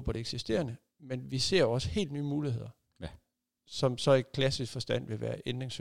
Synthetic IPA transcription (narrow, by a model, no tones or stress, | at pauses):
pʰɒɾ̥e̝eɡ̥sisd̥e̝̰ːɐnə | menʋise̝ɐ̰oɒ̽sə̥he̝̰ːld̥nyːmuːlihe̝ð̞̰ˠɐ | sɒ̽msɒ̽e̥kʰlæsisɡ̥fɒ̽sd̥æn̰ʋe̝ʋæːɐʔend̥ʁeŋs